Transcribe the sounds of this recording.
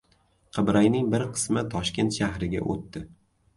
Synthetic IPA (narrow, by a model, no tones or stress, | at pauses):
qʰɨbɾajnɪŋbɪɾqʰɨ̥smɪt̪ʰɒʃkʲe̞nt̪ʃahɾɪɡʲa̰ʔo̰t̪ːɪ